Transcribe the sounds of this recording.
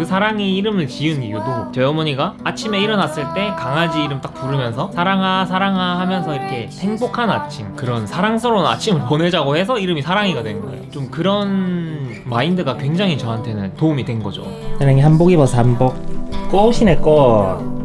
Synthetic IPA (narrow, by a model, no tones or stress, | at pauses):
kɯsʰaɾaŋiːɾɯmɯɭt͡ɕiɯnijudot͡ɕeʌmoɲiɡaat͡ɕʰime̞iɾʌnas͈ɯɭt͈e̞kaŋad͡ʑiːɾɯmt͈ak̚puɾɯmjʌnsʰʌsʰaɾaŋɦas̬ʰaɾaŋɦahamjʌnsʰʌiɾʌkʰe̞he̞ŋbokʰana̰t͡ɕʰimkɯɾʌnsʰaɾaŋsʰʌɾonɯna̰t͡ɕʰimɯɭpone̞d͡ʑaɡohe̞s̬ʰʌiɾɯmisʰaɾaŋiɡadwe̞nɯnɡʌ̰ḛjot͡ɕomkɯɾʌn | maindɯɡakwe̞ŋd͡ʑaŋit͡ɕʌɦantʰe̞nɯntoumidwenɡʌ̰d͡ʑo̰ | t͡ɕanaŋihanboɡibʌsʰʌhambok̚k͈ʌoɕʰinek͈o